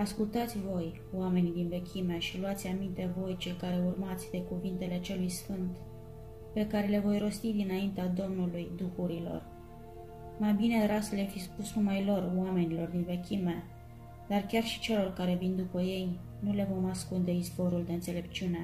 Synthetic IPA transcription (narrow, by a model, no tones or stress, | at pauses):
askult̪at̪sʲvo̞j | wame̞nid̪inve̞kʲimeʃiluat̪sʲamint̪e̞vo̞jt͡ʃe̞lkaɾe̞urmat̪sʲd̪e̞kuvint̪e̞le̞t͡ʃe̞lujsfɨnt̪ | pe̞kaɾe̞le̞vo̞jɾo̞st̪id̪inaint̪ead̪o̞mnulujd̪uxuɾilo̞̰r | majbine̞ɾasəlafispusnumajlo̞rwame̞nilo̞rd̪inve̞kʲime | d̪̥arkʲarʃi̥t͡ʃe̞lo̞rkaɾe̞vind̪upəje̞j | nule̞vo̞maskund̪e̞isbo̞ɾuld̪e̞ɨnt̪se̞le̞pt͡ʃiune̞